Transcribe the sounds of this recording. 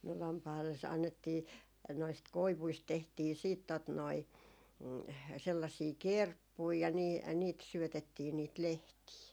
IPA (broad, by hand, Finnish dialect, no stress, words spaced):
no lɑmpɑi̯lːes ɑnːetːiː noist koiʋuist tehtiː siːt tot noi selːɑsiː kerpːui jɑ niː jɑ niːt syøtetːiː niːt lehtiː